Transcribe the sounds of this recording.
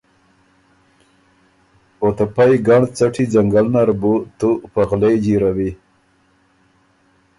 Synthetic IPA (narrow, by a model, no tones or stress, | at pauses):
ot̪apajɡaɳt͡saʈʰid͡zaŋɡalnaɾbut̪upaɣlejd͡ʒiɾawi